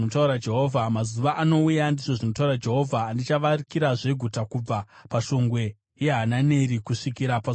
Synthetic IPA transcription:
otauɾad͡ʒe̞ɦovʱamazuʋaʔano̞ujandiʐo̞ʐino̞taurad͡ʒe̞ɦo̞vʱaːndit͡ʃaʋarikiɾaʐe̞ɡʱutakub͡vapaʃo̞ŋɡwe̞ | je̞ɦanane̞ɾikuʂikiɾapa

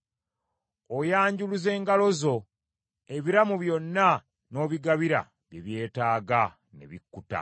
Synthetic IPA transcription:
ojaːɲɟuluze̞ːŋɡalo̞zo̞ | e̞βiɾamuβjo̞nːa | no̞ːβiɡaβiɾa̰ | βjeβje̞ːtaːɡa | ne̞̰βikːuta̰

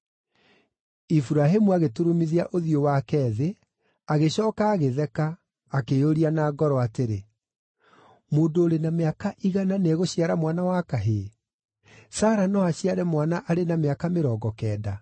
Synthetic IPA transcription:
ifuɾaɦemuaɣetuɾomiðiaʔoðiowakɛːðe | aɣeɕɔːkaːɣeðɛkaː | keoɾianaɡɔɾɔateɾe | moːndoːɾenameakaʔiɣananeɣoɕijaɾamwanawakaɦe | saːɾanɔaɕiaɾɛmwanaʔaɾenameakameɾɔːɡɔkɛːda

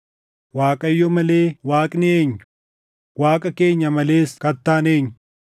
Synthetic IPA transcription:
waːkʼɐjːɔmɐle̞ːwaːkʼnɪeːɲːʊ | waːkʼɐkeːɲːɐmɐle̞ːskɐt̪ːaːneːɲːʊ̥

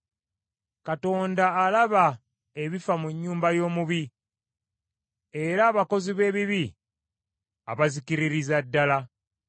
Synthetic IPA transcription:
kato̞ːndaːlaβa | e̞βifamuɲːuːmbajo̞ːmuβi | e̞ɾaːβako̞ziβe̞ːβiβi | aβazikiɾiɾizadːala

